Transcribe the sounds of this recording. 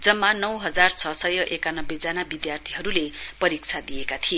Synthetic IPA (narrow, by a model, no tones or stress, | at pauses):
d͡zʌmːanʌwɦʌd͡zart͡sʰʌsʌjʌʔekanʌbːed͡zanabid̪jart̪ʰiɦʌɾulepʌɾik̚t͡sʰad̪ijekat̪ʰie